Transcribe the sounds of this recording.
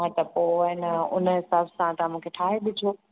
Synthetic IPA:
ə̃t̪əpoɪnʊ̰nɦɪsaːbsãt̪ãmũːkʰeʈʰaːɦeɓɪd͡ʑʱoː

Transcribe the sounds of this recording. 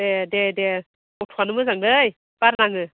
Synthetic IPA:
edede | ɔtʰuanɯmɯzaŋdɯj | b̥aɾnaŋɯ

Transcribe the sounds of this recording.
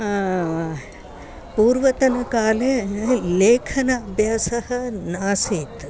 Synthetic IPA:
aː | puːɾʋɐt̪ɐnɐkaːleleːkʰɐnɐːbʱjaːsɐɦɐ̆naːsiːt̪

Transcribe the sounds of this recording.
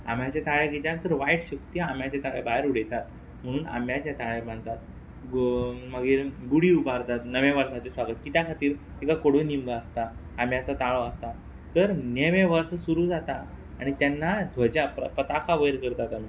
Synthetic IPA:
a̰m̤jat͡ɕat̪aɭeɡet̪jaɾt̪əɾʋajʈɕəkt̪iam̤jat͡ɕat̪aɭebaɦjɾuɽet̪at̪ | m̤əɽ̃uːna̰mjat͡ɕjat̪aɭemaɳt̪at̪̚ | məɡiɾɡuɽiubʱaɾt̪at̪nəʋẽʋəɾsat͡ɕesʋaɡət̪kit̪jakʰat̪iːɾk̪ikakoɽonimɡaəst̪aː | m̤jat͡sɔt̪aɭɔəst̪a | t̪əɾneʋẽʋəɾsəsuɾuːd͡zat̪aː | ɽ̃it̪janːad̪ʱʋəd͡ʑapə̰pɾət̪akʰaʋəjɾkəɾt̪at̪am̤i

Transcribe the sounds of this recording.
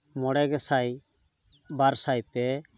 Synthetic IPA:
mɔɽɛɡɛsaj | baɾsajt̪ɛ

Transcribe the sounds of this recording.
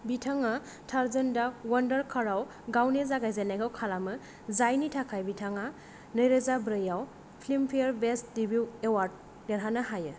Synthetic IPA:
bitʰaŋa | tʰaɾzendawandɐɾkʰaɾaw | ɡawnezaɡajzanajɡawkʰalamɯ | zajnitʰakʰajbitʰaŋa | nɐjɾezabɾɯjaw | pʰlimpʰijɾbesdibuwewaɾd̚ | neɾɦanɐɦajɯ

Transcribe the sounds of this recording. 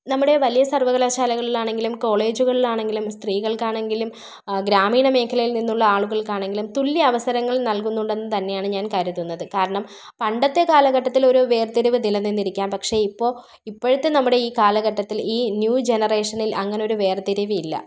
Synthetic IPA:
nɐmːuɽe̞ʋɐlijɐsɐrʋɐɣɐlaːɕaːlɐɣɐɭilaːɳe̞ŋɡilumko̞ːɭe̞ːd͡ʑuɣɐɭilaːɳe̞ŋɡilumst̪riːɣɐɭkaːɳe̞ŋɡilum | ɡɾaːmiːɳɐme̞ːkʰɐlɐjilninːuɭːɐaːɭuɣɐɭkaːɳe̞ŋɡilumt̪uɭːiɐʋɐsɐɾɐŋːɐɭnɐlkunːuɳɖe̞nːɨt̪ɐnːe̞jaːɳɨɲaːnkaɾit̪ːunːɐðɨkaːɾɐɳɐm | pɐɳɖɐt̪ːe̞kaːlɐɣɐʈːɐt̪ːilo̞ɾuʋe̞ːrt̪iɾiʋɨnilɐnːinːiɾikʲːaːmpɐkʂe̞ipːo̞ː | ipːoɻut̪ːe̞nɐmːuɽe̞iːkaːlɐɣɐʈːɐt̪ːiliːnjuːd͡ʑe̞nɐre̞ːʂɐnilʔɐŋːɐneo̞ɾuʋe̞ːrt̪iɾuʋiilːɐ̰

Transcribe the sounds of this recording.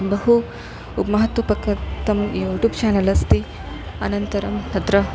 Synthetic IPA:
bɐɦu | ubmɐɦɐt̪ʋɐpɐkɐt̪ɐmioːʈup̚t͡ʃaːnɐlɐst̪i | ɐnɐnt̪ɐɾɐmt̪ɐd̪ɾɐ

